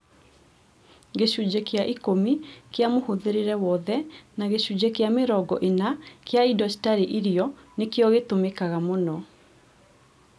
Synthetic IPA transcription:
ɡeɕud͡ʑekeaʔikomikeamohoðeɾeɾɛwɔðɛnaɣeɕud͡ʑekeameɾɔɡɔʔenakeaidɔsi̥taɾiʔiɾiɔnekeɔɣetomekaɣamonɔ

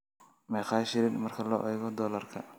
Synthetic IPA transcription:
mɛjχɑːʃɪɾɪnmɐrkʰɐlɔ̰ːʔɛjɣɔd̪ɔːlɐrkʰɐ

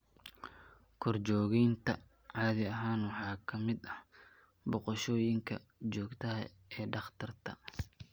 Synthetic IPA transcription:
kʰɔrt͡ʃɔːɣɛjnt̪ʰɐ | ʕɑːðɪɐɦaːnwɑħɑːkʰɐmɪd̪ɐh | bɔqɔʃɔːjɪŋkʰɐ̰t͡ʃɔːɡt̪ʰɐɦɐ̰ | ɛːɖɑχt̪ʰɐrt̪ʰɐ̰

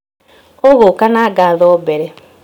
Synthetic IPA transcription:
oɣokanaɡaðɔbɛɾɛ

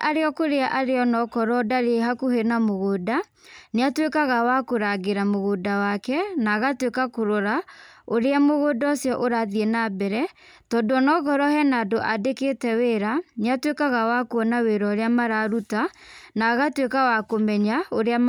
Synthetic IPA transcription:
ʔaɾeɔkoɾeaʔaɾeɔnɔkɔɾɔdaɾeɦakuhenamoɣoda | neatwekaɣawakoɾaɣeɾamoɣoːdawakɛnaːɣatwekakoɾoɾaoɾeamoɣodɔsjɔʔoɾaðienabɛɾɛ | tɔːndoɔnɔɣɔɾɔhɛnaːdoʔadekeːtɛweɾaneatwekaɣawakuɔnaweɾɔoɾeamaɾaɾutanaɣatwekawakomɛɲaoɾea

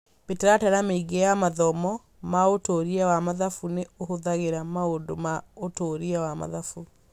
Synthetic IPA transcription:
beteɾataɾameiɡejamaðɔmɔ | maotoɾiɛwamaðafuneohoðaɣeɾamaodomaotoɾiawama̰ðafu

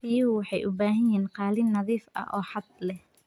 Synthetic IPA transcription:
ɪjɐwɑħɑjʔʊbaːɦɐjiːnqɑːlɪnːɐðiːfɐ̰ʔɔːħɑd̪̚lɛh

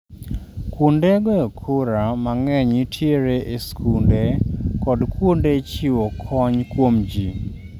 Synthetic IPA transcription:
kundeɡɔɔkʰʊɾamaŋɛɲitʰjeɾeʔeskʰundekɔdkwondet͡ʃiwokʰɔɲkwomd͡ʒi

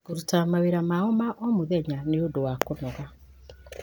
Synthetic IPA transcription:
ɡoɾutamaweɾamaɔmaʔɔmoðɛɲaneodowakonɔɣa

